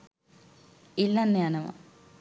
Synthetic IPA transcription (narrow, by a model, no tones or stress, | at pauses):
ilːɐnːjaːnɐmɐ̰